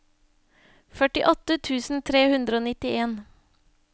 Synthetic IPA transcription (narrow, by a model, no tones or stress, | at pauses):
fœʈɪʔɔt̪ət̪ʰʉːsn̩t̪ʰɾeːhʉnd̪ɾəoːnɪt̪ɪeːn